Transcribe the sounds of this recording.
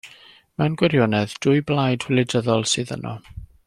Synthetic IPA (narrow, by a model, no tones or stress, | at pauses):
mɛwnɡwɛɾjɔnɛðd̥ʊjblˠajd̥wɛlɪdəðɔlˠsɨːðə̰nʔɔ̰